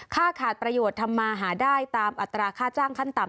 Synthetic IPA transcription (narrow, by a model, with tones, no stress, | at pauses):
kʰaː˥˩kʰaː˨˩t̪̚pɾa˧joː˨˩t̪ʰːa˧mːaː˧ɦaː˩˦daː˥˩jt̪aː˧mʔa˨˩t̪ːɾaː˧kʰaː˥˩t͡ɕaː˥˩ŋkʰa˥˩nt̪a˨˩m